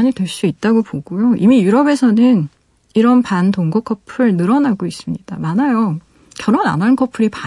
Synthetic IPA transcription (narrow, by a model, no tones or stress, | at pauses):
ɲitwe̞ɭs͈uit̚t͈aɡopoɡujoimijuɾʌbe̞sʰʌnɯn | iɾʌnpantoŋɡʌkʰʌpʰɯɭnɯɾʌnaɡois͈ɯmɲid̥amanajo | kjʌɾona̰nankʰʌpʰɯɾipa